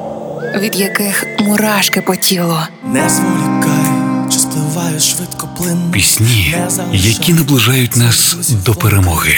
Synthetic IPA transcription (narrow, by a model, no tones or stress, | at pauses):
ʋʲid̪jɐkɪxmʊɾɑʃkɪpɔtʲilˠɔ | nɛsɔjukajt͡ʃɪsplˠɪʋɑjʊʃʋɪt̪kɔplˠɪnpʲisʲnʲijɐkʲinɐblˠɪʒɑjʊt̚ʲnɑsd̪ɔpeɾemɔɣɪ